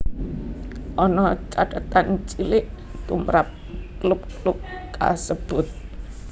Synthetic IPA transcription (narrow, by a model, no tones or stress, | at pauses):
ʔɔnɔt͡ʃaɖ̪̥at̪ant͡ʃilɪʔ | t̪umɾap̚ | klʊp̚klʊp̚ka̰səb̥ʊt̪̚